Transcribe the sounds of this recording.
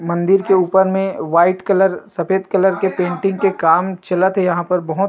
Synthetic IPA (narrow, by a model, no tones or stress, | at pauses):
mɐ̃nd̪ɪɾkeuːpəɾmẽʋaːɪʈkɐləɾsɐfeːd̪kɐləɾkepẽːɳʈɪ̃ŋɡkekaːmt͡ʃɐlət̪ɦejɐɦãpɐɾbɐɦʊt̪